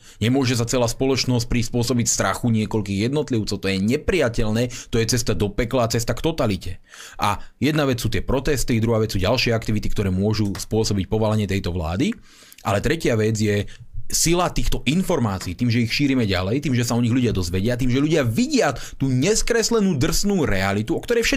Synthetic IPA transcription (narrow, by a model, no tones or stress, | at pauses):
ɲɛmʊɔʒɛs̬at͡sɛlaːspɔlɔt͡ʃnɔsc̚pɾispʊɔsɔbicst̪ɾaxuɲɪɛkɔlkiːɣjɛd̪nɔt̪liʊt͡sɔʊt̪ɔjɛɲɛpɾiacɛlnɛːt̪ɔjɛt͡sɛst̪ad̪ɔpɛklaːt͡sɛst̪akt̪ɔt̪alicɛ̰ | ʔajɛd̪naʋɛt͡ssuːt̪ɪɛpɾɔt̪ɛst̪id̪ɾuɦaːʋɛsuːɟalʃɪɛakt̪iʋit̪ikt̪ɔɾɛːmʊɔʒuspʊɔsɔbic̚pɔʋalaɲɪɛt̪ɛjt̪ɔʋla̰ːd̪i | ʔa̰lɛt̪ɾɛcɪaʋɛd͡zjɛ | silat̪iːxt̪ɔʔinfɔɾmaːt͡siːt̪iːmʒɛixʃiːɾimɛɟa̰lɛjt̪iːmʒɛsaɔɲiɣʎuɟɪad̪ɔzʋɛɟɪat̪̬iːmʒɛʎuɟɪaʋiɟɪat̪uːɲɛskɾɛslɛnuːd̪r̩snuːɾɛalit̪uɔkt̪ɔɾɛjfʃɛ